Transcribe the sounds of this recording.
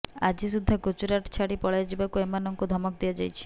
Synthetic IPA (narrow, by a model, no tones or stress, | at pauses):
a̰d͡ʒisud̪ʱːakot͡ʃuɾaʈt͡ʃʰaɽipɔɭajad͡ʒibakuemanɔŋkud̪ʱɔmɔk̚d̪ijɔd͡ʒajt͡ʃʰi̥